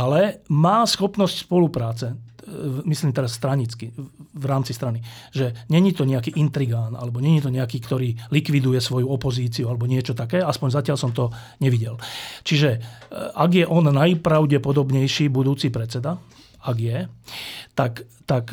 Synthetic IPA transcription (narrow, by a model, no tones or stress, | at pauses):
alɛmaːsxɔpnɔscspɔlupɾaːt͡sɛ | misliːmt̪ɛɾasːt̪ɾaɲit͡skivɾaːmt͡sist̪ɾaniʒɛɲɛɲit̪ɔɲɛakiːʔint̪ɾiɡaːna̰lɛbɔɲɛɲit̪ɔɲɛakiːkt̪ɔɾiːlikʋid̪ujɛsʋɔjuɔpɔziːt͡siualɛbɔɲɪɛt͡ʃɔt̪akɛːaspɔɲzacɪalsɔmt̪ɔ | ɲɛʋiɟɛlt͡ʃiʒɛʔaɡjɛʔɔnːajpɾaʊɟɛpɔd̪ɔbɲɛjʃiːbud̪uːt͡sipɾɛt͡sɛd̪a | aɡjɛ | t̪ak | t̪ak